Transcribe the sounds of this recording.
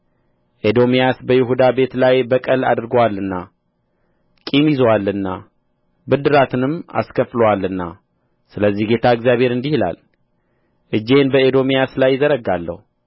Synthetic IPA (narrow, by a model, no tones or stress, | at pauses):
ʔed̪o̞mijasbəjɪɦud̪abe̞t̪lajbəkʼəla̰d̪ɨɾɡəwalːɨnːa | kʼimizwalːɨnːa | bɨd̪ɨɾat̪ʰɨnɨma̰skʰəfləwalɨnːa | sɨləzːihɡe̞t̪ʰaɨɡzjaβhe̞ɾɨnd̪ihla̰l | ʔɨd͡ʒːe̞nbəed̪o̞mijaslajːɪzəɾəɡalːə̰hu